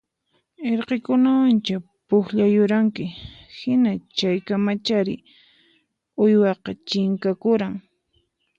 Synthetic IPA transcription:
eɾqekʊnawant͡ʃa | pʊxʎajʊɾaŋkɪhɪnat͡ʃajkamat͡ʃaɾɪ | ʊjwɑqɑt͡ʃɪŋkakʊɾaŋ

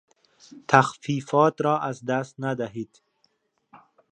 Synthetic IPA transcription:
t̪ʰaxfifɑt̪ɾɔʔazd̪ast̪nad̪aɦid̪̥

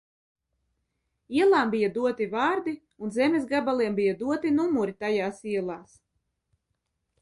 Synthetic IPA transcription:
iɛlˠaːmbijad̪uɔt̪ivaːɾd̪i | unzɛmʲesɡabalˠiɛmbijad̪uɔt̪inumuɾit̪ajaːsiɛlˠaːs

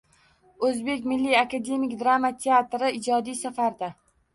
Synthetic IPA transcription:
ɵzbe̞kʲmɪlːijakad̪e̞mikd̪ɾamat̪ʰe̞at̪ɾɪɪd͡ʒɒd̪ijsafaɾd̪a

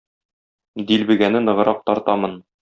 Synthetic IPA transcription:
d̪ilbɘ̆ɡænɘnɤ̆ʁɤ̆ɾɑq̚t̪ɒɾt̪ɑmɤn

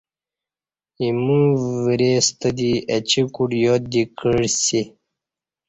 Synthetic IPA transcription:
imũviɾeːst̪əd̪iɐt͡ɕikuɖjod̪ikəɻsi

